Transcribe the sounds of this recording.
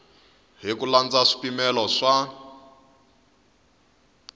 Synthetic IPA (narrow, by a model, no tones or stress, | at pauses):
ɦikuland͡zaʂi̥pimɛlɔʂa